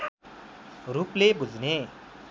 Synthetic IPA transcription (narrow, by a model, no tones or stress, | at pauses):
ruplebud͡zne